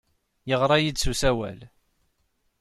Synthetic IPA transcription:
jəʁɾˤɑjid̪susæwæ̰l

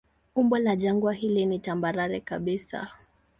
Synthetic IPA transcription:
umbɔlaʄaŋɡwaɦilinitambaɾaɾɛkaɓisa̰

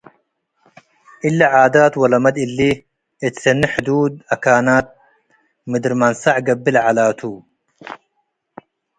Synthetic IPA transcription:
ilːaʕaːd̪aːt̪wɐlɐmɐd̪ilːi | et̪sɐnːiħʊd̪uːd̪̚ɐkaːnaːt̪̚ | mid̪ɾmansaʕɡɐbːilʕalaːt̪ʰuː

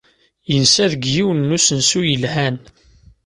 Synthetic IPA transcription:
jənsæðəɡjiwnːusənsujəlhæn

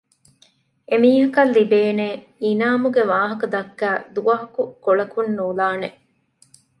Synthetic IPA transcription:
emiːɦɐkɐlːibeːneː | inaːmuɡeʋaːɦɐkɐd̪ɐkːæːd̪uʋɐɦɐkukoɭɐkunːuːlaːne

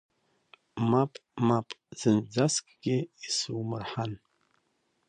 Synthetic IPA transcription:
mapʼmapʼz̥ɨnd͡zaskʼɡ̥ʲɪisɨwmɨrħan

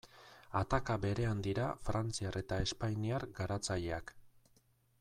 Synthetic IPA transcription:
at̪akabe̞ɾe̞and̪iɾafɾant͡siare̞t̪ae̞spajniaɾɡaɾat͡saʎe̞ak

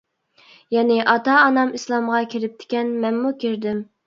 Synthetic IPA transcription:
jɛnɪʔɑt̪ɑːnɑmislˠɑmʁɑkʲʰiɾɪp̚t̪ʰɪ̥kʲɛnmɛnmukʲiɾd̪ɪm

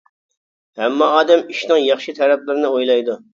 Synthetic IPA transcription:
hɛmːɑːd̪ɛmiʃnɨŋjɑχʃit̪ʰɛɾɛp̚lɪɾɪnɪojlˠɑjd̪u

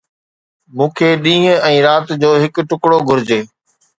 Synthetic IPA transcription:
mũːkʰeːɗĩːɦɛ̃ːɾaːt̪d͡ʑoːɦɪkʈʊkɽoɡʱʊɾɪd͡ʑeː

